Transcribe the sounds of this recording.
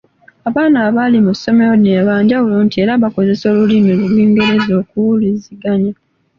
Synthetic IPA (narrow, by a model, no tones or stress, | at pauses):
aβaːnaːβalimuso̞meoneβaːɲɟauloːntieɾaβako̞ze̞so̞ːlulimilulwiːŋɡe̞ɾe̞zo̞ːkuwuliziɡaɲa